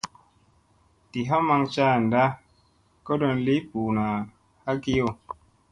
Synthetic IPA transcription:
ti˨ɦa˦ma˧ŋt͡ʃa˦˨n˨da˦ | kɔ˦dɔ˧nli˦pu˨na˨ | ha˦ki˦o˦˨

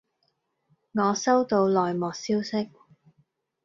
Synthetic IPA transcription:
ŋɔː˨˧sɐ˥wt̪o˧wlɔː˨˩jmɔː˨˩k̚siː˥wsɪ˥k̚

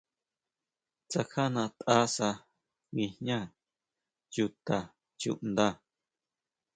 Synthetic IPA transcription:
t͡sa˧kha˦nã˧t̪ʔa˦sa˧ | wĩ˧hɲã˦˧ | ju˧t̪a˨ | t͡ʃṵ˧˨ʔnd̪ã˦˧˨

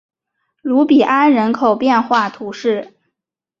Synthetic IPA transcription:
lu˧˥pi˨˩ʔa˥nɻə˧˥nkʰo˨˩ʊpjɛ˥˧nxwa˥˩t̪ʰu˧˥ʂɻ̩˥˩

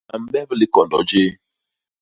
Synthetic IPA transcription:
a̰˨m̩˦bɛ˦βli˦kɔ˨n˨dɔ̰˨˦d͡ʒe˦

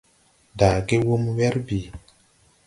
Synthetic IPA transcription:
da˨ɡe˦wo˦mwɛ˦ɾbi˨

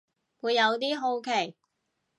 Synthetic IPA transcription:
wuː˨˧jːɐ˨˧wt̪iː˥ɦo˧wkʰe˨˩j

